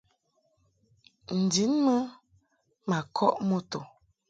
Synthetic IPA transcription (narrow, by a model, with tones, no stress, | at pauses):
n̩˨di˨˦nmə˦ | ma˨kʰɔ˦ʔmo˦to˨